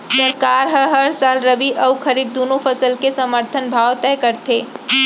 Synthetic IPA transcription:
səɾkaːɾɦəɦəɾsaːlɾəbiʔəwkʰəɾiːb̚d̪onõpʰəsəlkesəməɾt̪ʰənbʱaːwt̪ɛkəɾt̪ʰe

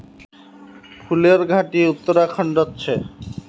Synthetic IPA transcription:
pʰuleɾɡʱaʈiut̪ːoɾakʰɔɳɖotːɕʰe

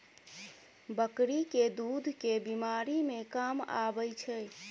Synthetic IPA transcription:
bəkɾiked̪ud̪ʱkebimaɾimekama̰bəjt͡ʃʰə

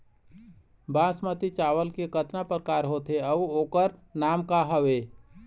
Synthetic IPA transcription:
bãːsmət̪it͡ʃaːwəlkekət̪napɾəkaːɾɦoːt̪eəwoːkəɾnaːmkaɦəʋeː

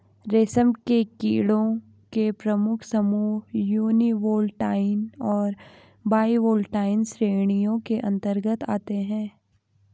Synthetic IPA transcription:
ɾeːsəmkekḭːɽõ | kepɾəmʊkʰsəmuːjuːniʋoːlʈaːɪnɔːɾ | baːiʋoːlʈaːɪnsɾeːɽ̃ijõkeʔɐ̃nt̪əɾɡət̪a̰ːt̪eɦɛ̃ː

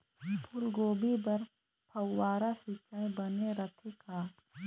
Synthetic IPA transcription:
pʰʊlɡoːbibəɾ | pʰɐwːaːɾasɪt͡ʃaːẽbəneɾət̪ʰekaː

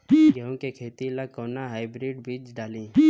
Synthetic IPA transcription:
ɡəõkekʰeːt̪ilakoːnaɦaːɪbɾiːɖbiːd͡ʒɖaːliː

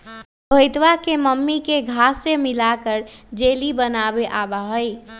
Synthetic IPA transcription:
bʱəɪt̪ʋakeməmːikeɡʱasemilakəɾd͡ʒelibənabeʔabaɦəj

